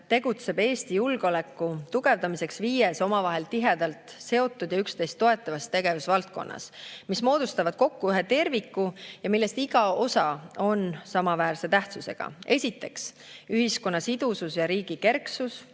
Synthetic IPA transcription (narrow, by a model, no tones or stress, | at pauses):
t̪e̞ɡ̥ut̪se̞be̞ːst̪ijulɡ̥olekːˑut̪uɡ̥e̞vd̪ɑmise̞ksviːjeso̞mɑvɑɦe̞lt̪iɦe̞d̪̥ɑlt̪se̞o̞t̪ːˑud̪jɑykst̪e̞jst̪ːo̞e̞t̪ːˑɑvɑst̪ːe̞ɡ̥e̞vusvɑlt̪̚ko̞̰nːɑ̰smismo̞ːd̪̥ust̪ɑvɑd̪̥̚ko̞kːuyɦe̞t̪e̞rvikːujɑmilːe̞st̪iɡ̥ɑo̞sɑo̞nsɑmɑvæːrse̞t̪æht̪suse̞̰ɡ̥ɑ̰e̞sʲit̪ːˑe̞ks | yɦisko̞nːɑsid̪̥ususjɑɾiːɡ̥ike̞rksus